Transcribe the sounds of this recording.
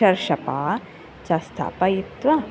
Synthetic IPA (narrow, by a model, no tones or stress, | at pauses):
ɐɾʃɐpaː | t͡ʃɐst̪ʰa̰ːpɐjipt̪ʋɐ